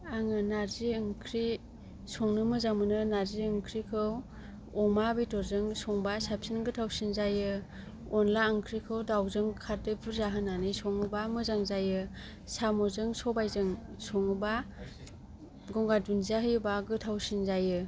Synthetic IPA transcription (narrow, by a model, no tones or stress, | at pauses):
aŋɯnaɾziɯŋkʰɾi | sɔŋnɯmɯzaŋmɯnɯnaɾziɯŋkʰɾikʰɯw | ɔmabijtɔɾzɯŋsɔŋbasapsinɡɯtʰawsinzajɯ | ɔnlaɯŋkʰɾikʰɯwdawzɯŋkʰatɯpʰuɾzaɦɯnanɯjsɔŋɯbamɯzaŋzajɯ | samɔzɯŋsɔbajzɯŋ | sɔŋɯba | ɡɔŋɡadunzaɦɯjbaɡɯtʰawsinzajɯ